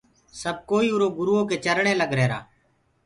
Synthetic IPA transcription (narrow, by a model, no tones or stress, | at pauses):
səb̚koːiːʊɾoːɡʊɾuːoːk̬eːt͡ʃəɾɳeːləɡɾeːɾa̰ː